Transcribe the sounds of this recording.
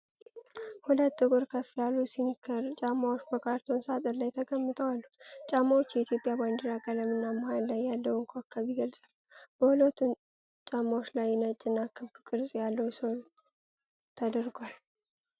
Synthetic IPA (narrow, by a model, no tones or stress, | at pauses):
hulət̪ːɨkʼʊɾkʰəfijalːusinɨkʰːəɾt͡ʃʼamːawot͡ʃːbəkʰaɾt̪ʰonsat̪ʼəɾlajt̪ʰəɡəmːɨt̪ʼəwalːut͡ʃʼamːawot͡ʃːjɛit̪ʰjo̞pʼjaband̪əɾakʼaləmɨnːamahanlajːalːəwŋkʰakʰːaβiɡəlsʼalː | b̥əhulət̪ʰun | t͡ʃʼamːawot͡ʃːlajːɪnət͡ʃʼːɪnːakːɨβukʼɨɾzʼjalːəwusəwlu | t̪ʰəd̪əɾɡʷal